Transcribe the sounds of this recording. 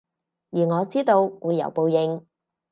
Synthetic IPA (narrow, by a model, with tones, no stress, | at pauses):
jiː˨˩ŋɔː˨˧t͡siː˥t̪o˧wwuː˨˧jːɐ̰˨˩wpo˨wjɪ˨˧ŋ